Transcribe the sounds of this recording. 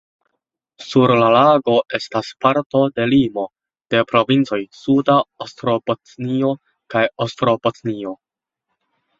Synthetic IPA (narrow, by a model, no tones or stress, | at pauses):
suɾlalaɡo̞ʔe̞staspaɾto̞de̞limo̞ | d̥e̞pɾo̞vint͡so̞jsudaostɾo̞potnio̞ | kajostɾo̞pot͡snio̞